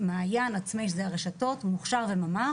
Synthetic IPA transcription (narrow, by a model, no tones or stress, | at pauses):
maːjanat͡smeʃ̬zeaʁeʃato̞tmuχʃaʁvemama